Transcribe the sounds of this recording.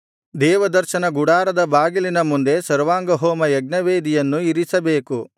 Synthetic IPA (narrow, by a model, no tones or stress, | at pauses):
d̪ɛːʋɐd̪ɐɾʃɐnɐɡuɽaːɾɐd̪ɐbaːɡilinɐmund̪e̞sɐɾʋaːŋɡɐɦoːmɐjɐɡ̚nɐʋeːd̪ijɐnːuiɾisɐbeːku